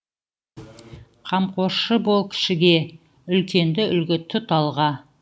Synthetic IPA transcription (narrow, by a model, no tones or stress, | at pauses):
qʰɑmqʰo̞əbo̞lˠkʲʰɪ̥ʃɪɡʲe̞ | ʏlkʲe̞nd̪ɪʔʏlɡʲɪt̪ʰʏt̪ɑlˠʁɑ